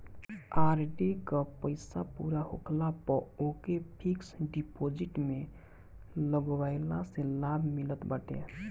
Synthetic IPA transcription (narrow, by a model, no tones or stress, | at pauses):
aɾɖikəpəɪsapuɾaɦokʰlapəokepʰiksɖipod͡ʒiʈme | ləɡwajlaselabʱmilət̪bəʈḛ